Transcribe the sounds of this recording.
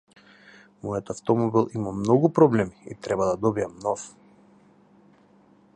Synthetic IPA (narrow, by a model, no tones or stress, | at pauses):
mɔjat̪aft̪ɔmɔbilˠimamnɔɡupɾɔblɛmiḭt̪ɾɛbad̪ad̪ɔbijamnɔf